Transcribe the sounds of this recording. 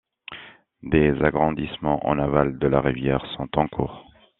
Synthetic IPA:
d̪ezaɡʁɑ̃d̪ismɑ̃ʔɑ̰̃navald̪əlaʁivjɛʁsɔ̃t̪ɑ̃kʰṵːʁ

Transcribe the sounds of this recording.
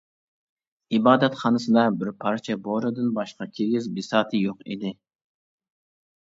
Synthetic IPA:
ibɑːd̪ɛt̪χɑːnɨsɨd̪ɑbɪɾpʰɑɾt͡ʃʰɛboɾɨd̪ɨnbɑʃqɑkʲʰeɡʲizbisɑːt̪ʰɨjoqḭd̪ɪ

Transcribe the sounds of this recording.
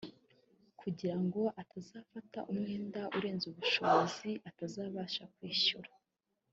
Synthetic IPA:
kuɟiɾaŋɡo̞ʔatʰazaːfata̰ʔumŋe̞ːndaʔuɾe̞ːnzuβuʃo̞βoziʔatazaːβaːʃakwiːʃuɾḁ

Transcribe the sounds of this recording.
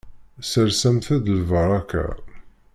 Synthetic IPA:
səɾsæmθæðlvəɾˤɑkːa̰

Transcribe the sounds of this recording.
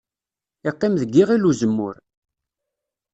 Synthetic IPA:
ɪqːimðəɡːiʁiluzəmːʊ̰ɾ

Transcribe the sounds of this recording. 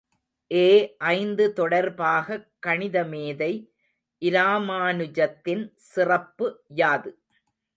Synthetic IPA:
ʔeːʔɐɪnd̪ɯt̪ɔɽɐɾbaːɣɐkːɐɳɪðɐmeːðɐɪ | ʔɪɾaːmaːnɯd͡ʒɐt̪ːɪnsɪrɐpːɯjaːðɯ

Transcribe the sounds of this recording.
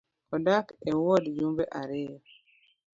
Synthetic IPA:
ɔdakɛwɔdjumbeʔaɾɪjɔ

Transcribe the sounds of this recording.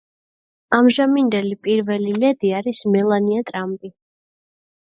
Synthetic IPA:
amʒamind̪ɛlipʼiɾvɛlilɛd̪iaɾismɛlˠaniat̪ʼɾampʼi

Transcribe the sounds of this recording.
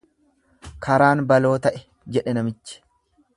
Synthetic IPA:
kʰɐɾaːnbɐlo̞ːt̪ɐʔɛ̥ | d͡ʒɛᶑɛnɐmɪt͡ʃːɪ̥

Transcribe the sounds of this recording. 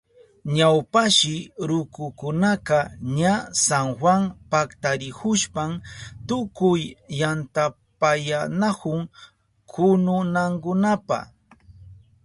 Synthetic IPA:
ɲawpaʃɪɾʊkʊkʊnaqɑɲasaŋxwaŋpakt̪aɾɪhʊʃpamt̪ʊkʊjːant̪a | pajanakʊŋ | kʰʊnʊnaŋkʊnapa̰

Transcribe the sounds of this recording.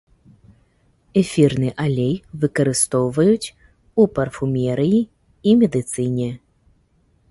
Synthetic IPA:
ɛfʲirnɨʔalʲɛjvɨkɐɾɨst̪ɔwvɐjut͡sʲ | upɐrfumʲɛɾɨji | imʲɛd̪ɨt̪sɨnʲɛ

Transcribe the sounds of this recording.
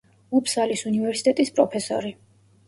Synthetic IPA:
upʰsalisunivɛɾsit̪ʼɛt̪ʼispʼɾɔpʰɛsɔ̰ɾi

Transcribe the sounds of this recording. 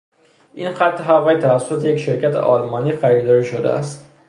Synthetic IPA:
ʔinxæt̪ʰːeɦævæjt̪ʰævæsːot̪ʰejecʲʃe̞ɾcʰæt̪ʰḛʔɒːlmɒːniːxæɾiːd̪ɒːɾiʃod̪ḛʔæ̰st̪

